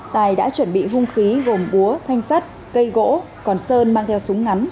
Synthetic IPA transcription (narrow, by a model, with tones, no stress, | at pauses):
t̪aː˨˩jɗa̰ː˧˥t͡ɕwə˧˩nɓḭ˧˨ɦʊ˧ŋ͡mxi˨˦ɣo˨˩mɓu˨˦ət̪ʰa˧jŋ̟sa˦˥t̚ | kə˧jɣo̰˧˥ | kɔ˨˩nsəː˧nmaː˧ŋt̪ʰɛ˧wsʊ˨˦ŋ͡mŋa˨˦n